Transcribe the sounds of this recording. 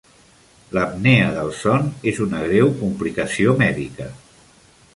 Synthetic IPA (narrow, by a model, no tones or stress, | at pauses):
ləmneəðəlˠsɔnezunəɣɾɛwkumplikəsiomɛðikə